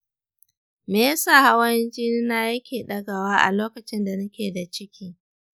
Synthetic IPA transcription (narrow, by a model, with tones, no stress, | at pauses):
meː˨jsa˦˨ha˦wɐ˦nd͡ʒiː˦ni˦naː˦jɐ˦kʲeː˨ɗɐ˦ɡa˨waː˦ʔa̰˨loː˦kɐ˨t͡ʃɪ˦nda˨nɐ˦kʲeː˨da˨t͡ʃɪ˦kʲiː˦